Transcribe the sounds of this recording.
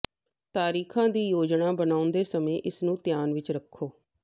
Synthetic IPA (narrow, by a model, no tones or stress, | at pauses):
t̪aːɾiːkʰãːd̪iːjoːd͡ʒnaːbənaːʊnd̪eːsəmẽːʔɪsnũːt̪jaːnʋɪt͡ʃɾəkʰːoː